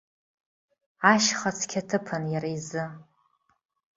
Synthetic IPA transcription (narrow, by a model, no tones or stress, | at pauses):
aʃχat͡sʰkʲʰatʰɨpʰanjaɾajzɨ